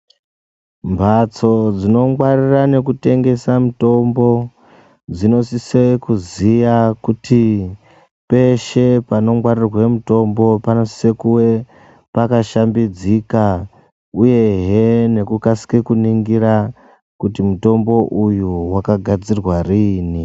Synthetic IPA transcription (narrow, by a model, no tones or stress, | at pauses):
mbʱat͡so̞d͡zino̞mwarirane̞kute̞ŋɡe̞samuto̞mbo̞ | d͡zino̞sisekuzijakutʰi | pe̞ʃe̞pano̞mwarirwe̞muto̞mbo̞pano̞si̥se̞kuwe̞ | pakaʃambid͡zika | uje̞ɦene̞kukasi̥kekuniŋɡiɾa | kutimuto̞mbo̞ʔujuwakaɡʱad͡zirwariːni